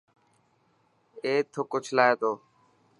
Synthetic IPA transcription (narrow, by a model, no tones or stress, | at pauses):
eːt̪ʰokoːt͡ʃʰəlaːeːt̪oː